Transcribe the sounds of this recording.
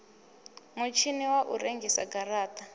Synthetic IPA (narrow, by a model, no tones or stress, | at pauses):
mut͡ʃʰiniwaʔuɾeŋɡʱisa̰ɡaɾaːta